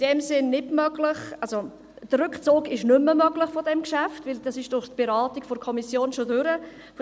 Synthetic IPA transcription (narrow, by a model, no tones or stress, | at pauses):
d̥ɛmsɪnːɪtmœɡlɪχalso | d̥əɾʉkχt͡suːɡɪʃnʏmːəmœɡlɪχfodɛmkʃaftvɪld̥ɑsɪʃd̥ʊχtb̥eɾaːtiɡ̥fɔɾkʰɔmisjoːnʃodʏɾə | f